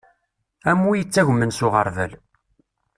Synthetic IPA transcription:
æmːujət͡sːæʝʷmənsʊʁəɾˤvə̰l

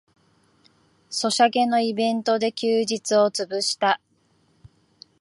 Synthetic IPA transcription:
so̞ɕaɡe̞no̞ibẽ̞nt̪o̞d̪e̞kʲɨːʑit͡sɨo̞t͡sɨbɯɕi̥t̪a

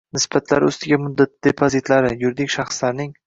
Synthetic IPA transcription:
nɪsbat̪ʰla̰ɾʊ̰st̪ɪɡʲamʊd̪ːat̪̚d̪̥epʰozit̪laɾɪjʊɾd̪ɪkʲʃɑχslaɾnɪŋ

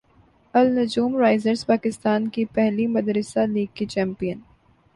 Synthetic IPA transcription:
ɐlnʊd͡ʒuːmɾaːɪzəɾzpaːkɪst̪aːnkipɛɦlimɐd̪ɾɪsaliːɡ̚kit͡ʃɛ̃ːmpijən

